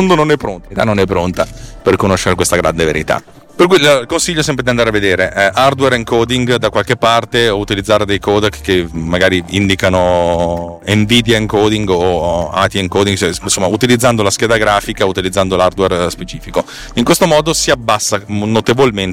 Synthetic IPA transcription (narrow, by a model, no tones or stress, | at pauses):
nd̪ononɛpːɾont̪it̪anːonɛpːɾont̪aperkonoʃːeɾekwest̪aɡɾa̰nd̪evḛɾḭt̪a̰ | perkujllkonsiʎːosɛmpɾed̪iand̪aɾeavːed̪eːɾeʔɛʔard̪wɛɾeŋkoːd̪iŋɡd̪akwalk̟epːart̪eout̪ilid̪zːaːɾed̪ejkoːd̪kkːemːaɡaːɾiind̪ikano | eɱviːd̪jaiŋkoːd̪iŋɡoa̰t̪ieŋkoːd̪iŋɡt͡ʃɛnsomːaut̪ilid̪zːand̪olask̟jɛːd̪aɡɾaːfikaut̪ilid̪zːand̪olard̪werspet͡ʃiːfiko | iŋkwest̪omɔːd̪osiabːasːanot̪evolment̪